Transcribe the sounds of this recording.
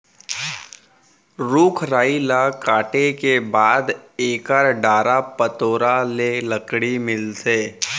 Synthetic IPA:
ɾuːkʰɾaːilakaːʈekebaːd̪eːkaɾɖaːɾapət̪oːɾaleləkɽimɪlseː

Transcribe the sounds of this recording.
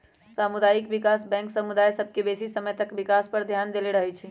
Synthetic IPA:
samud̪ajikbikasbɛ̃ŋksəmud̪ajsəb̚ʱkebesisəməjt̪əkbikaspəɾd̪ʱjand̪eleɾəɦɛt͡ʃʰɛ

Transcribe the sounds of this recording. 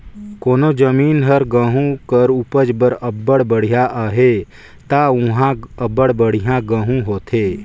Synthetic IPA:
koːnod͡ʒəmiːnɦəɾɡə̃ːɦũkəɾupəd͡ʒbəɾəbːəɽbəɽ̤ijaʔaɦe | t̪aʊɦãəbəɽbəɽ̤ijãɡə̃ːɦũɦoːt̪ʰeː

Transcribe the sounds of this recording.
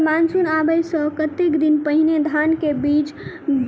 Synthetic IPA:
mansunabəjsə̃kət̪ekd̪inpəɦined̪ʱankebit͡ʃ

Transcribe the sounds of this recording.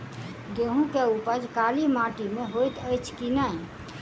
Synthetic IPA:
ɡeɦũkeupəd͡ʒkaːlimaːʈimẽɦojt̪əjt͡ʃʰkinaĩ

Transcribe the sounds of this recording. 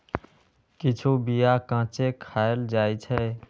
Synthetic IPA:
kɪt͡ʃʰoːbijaːkãːt͡ʃeːkʰaːjəld͡ʒaːiːt͡ʃʰɛː

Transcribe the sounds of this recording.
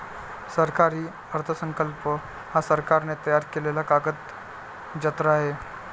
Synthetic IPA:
səɾkaɾiː | əɾt̪ʰəsəŋkəlpə | hasəɾkaɾnet̪əjaɾkelelakaɡət̪ | d͡ʑət̪ɾaɦe

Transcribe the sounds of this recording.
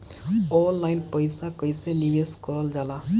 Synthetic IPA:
ɔlːajnpɔjsakɔjsenimeskɔɾɔld͡ʒala

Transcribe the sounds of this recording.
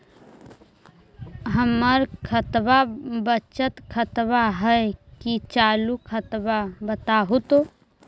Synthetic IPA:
ɦəməɾkʰət̪babət͡ʃət̪kʰət̪baɦəekit͡ʃaːlukʰət̪babət̪aɦot̪o

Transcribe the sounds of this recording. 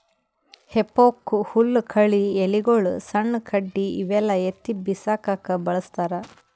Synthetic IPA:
hepːoːkuhulːkʰɐɭieliɡoɭusɐɳːkʰɐɖːiːʋɛlːɐet̪ːibisaːkakɐbɐɭɐst̪aːɾɐ

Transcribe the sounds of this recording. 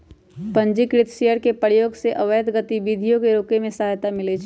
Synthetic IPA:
pɐ̃ɲd͡ʒikɾɪt̪ʰʃejəɾkepəjoːɡseʔɐʋəjəd̪ɡət̪ibid̪ʱijõkeɾoːkemẽsaɦjt̪amɪlet͡ʃʰ

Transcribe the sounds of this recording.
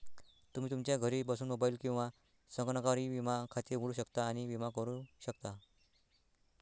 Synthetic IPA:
t̪um̤iːt̪umt͡ɕjaɡʱəɾiːbasuːnmobaiːlkĩw̃ʋa | səŋknəkaɾiːʋimakʰat̪iːɾɦuɭuːɕəkt̪aːñiʋimakəɾuɕəkt̪a

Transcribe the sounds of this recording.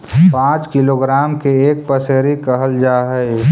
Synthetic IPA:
pãːt͡ʃkɪloɡɾaːmkeeːk̚pəseːɾikəɦəld͡ʒaːɦəe

